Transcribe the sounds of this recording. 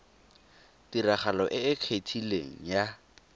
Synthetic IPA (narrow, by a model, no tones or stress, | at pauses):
tiɾaχalɔʔɪɪkʰetʰilḛŋ̩ja